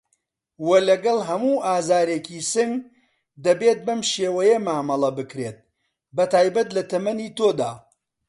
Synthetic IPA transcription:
wɐlɐɡɐlˠɦɐmuːʔaːzaːɾeːkʰiːsɨŋɡ | d̪ɐbeːt̪̚bɐmʃeːwɐjɐmaːmɐlˠɐbɨkɾeːt̪̚ | bɐt̪aːjbɐt̪lɐt̪ɐmɐniːt̪od̪aː

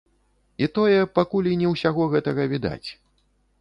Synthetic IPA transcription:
it̪ɔjɛpakulʲinʲɛwsʲaɣɔɣɛt̪ɐɣɐvʲid̪a̰t͡sʲ

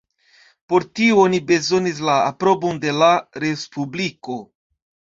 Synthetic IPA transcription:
po̞ɾtioonibe̞zo̞nis̬laːpɾo̞bo̞nde̞laɾe̞spubliko̞

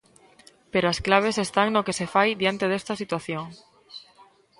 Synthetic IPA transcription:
peɾoasklaβ̞esest̪aŋnokesefajd̪jant̪eð̞est̪asit̪waθjoŋ

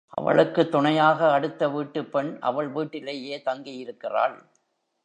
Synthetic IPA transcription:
ʔɐ̰ʋɐ̰ɭɯkːɯt̪ːʊɳɐjaːɣɐɐɽɯt̪ːɐʋiːʈːɯpːɛɳʔɐ̰ʋɐɭʋiːʈːɪleːjeːt̪ɐŋɡɪjɪɾɯkːɪra̰ːɭ

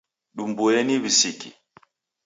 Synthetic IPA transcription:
ɗumbueniβisikḭ

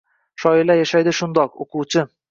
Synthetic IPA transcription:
ʃɒjɪlæjæʃæjd̪ɪʃund̪ɒqo̰quwt͡ʃɤ

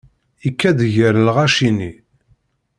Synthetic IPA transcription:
ikːæðʝəɾlʁaʃini

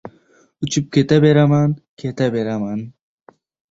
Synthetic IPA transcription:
ut͡ɕip̚ket̪ɐbeɾɐmankʰet̪ɐbeɾɐman

